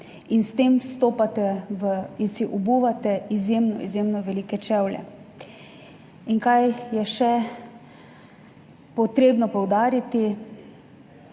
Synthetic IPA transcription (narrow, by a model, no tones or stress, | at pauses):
inst̪eːmst̪oːpat̪ɛʋəinsiʔubuːʋat̪ɛizjeːmnɔ̰ḭzjeːmnɔʋɛliːkɛt͡ʃɛwlʲɛ̰ | iŋkajjɛʃɛ | pɔt̪ɾeːbnɔpɔwd̪aːɾit̪i